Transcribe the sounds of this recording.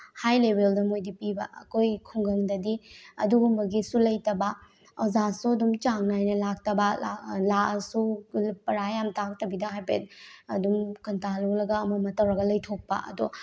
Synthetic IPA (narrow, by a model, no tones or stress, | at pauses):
hajlebeldɐmojdipibɐʔɐ̰kojkʰuŋɡɐŋdɐdiɐ̰duɡumbɐɡisulɐjtɐbɐ | ɔzasuɐdumt͡ʃaŋnajnɐlak̚tɐbɐalaɐsupɐɾajamtak̚tɐbidɐɦajpḛt̚ɐdumkɐntalolɐɡɐːmɐmɐtɐwɾɐɡɐlɐjtʰok̚pɐ̰ʔɐ̰du